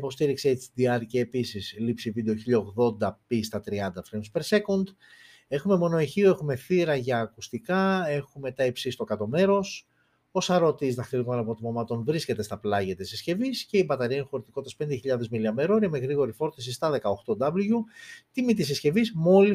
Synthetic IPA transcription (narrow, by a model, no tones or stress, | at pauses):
ipo̞st̪iɾikset̪sd̪iɐɾceːpisislipsivid̪e̞o̞çiʎɐoɣðo̞nd̪ɐpist̪ɐt̪ɾiɐnd̪ɐfɾemspeɾse̞kond̪ | e̞xumemo̞no̞eçioe̞xume̞θiɾɐʝɐːkust̪ikɐe̞xume̞t̪ɐipsisi̥t̪o̞kɐt̪o̞me̞ɾo̞s | o̞sɐɾo̞t̪izt̪ɐxt̪iɾɣumɐnɐpot̪imomɐt̪o̞nvɾisce̞t̪e̞st̪ɐplɐʝɐt̪isisce̞visce̞ibɐt̪ɐɾiɐnixo̞ɾit̪iko̞t̪ːɐspend̪eçiʎɐðe̞zmiliɐme̞ɾo̞ɾiɐme̞ɣɾiɣo̞ɾifo̞ɾt̪is̬ist̪ɐðe̞kɐo̞xt̪o̞d̪ɐbluʝut̪imit̪isisce̞vizmo̞li